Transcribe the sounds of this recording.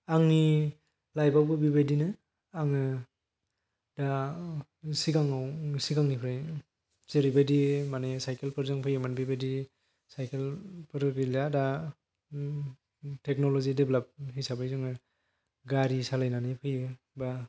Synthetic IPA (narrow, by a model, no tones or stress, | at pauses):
aŋni | lajbawbɯbibadinɯ | aŋɯ | da | siɡaŋawsiɡaŋnipʰɯɾaj | z̥eɾibadimanesajkelpʰɯɾzɯŋpʰɯjɯmanbibadi | sajkʰelpʰɯɾɡɯjlada | tek̚nolozideblap̚hisabɯjzɯŋɯ | ɡaɾisalajnanipʰɯjɯ | ba